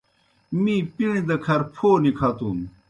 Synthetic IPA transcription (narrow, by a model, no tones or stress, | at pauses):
mĩːpiɳ̃id̪ɐkʰɐɾpʰoːnikʰaːt̪uːm